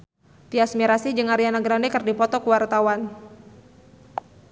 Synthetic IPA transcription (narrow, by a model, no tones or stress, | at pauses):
t̪iasmiɾasid͡ʒɨŋaɾianaɡɾandɛkərdipɔt̪ɔkuwart̪awan